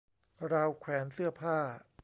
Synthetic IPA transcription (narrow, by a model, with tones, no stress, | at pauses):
ɾaː˧wkʰwɛː˩˦nsɯ˥˩ɐpʰaː˥˩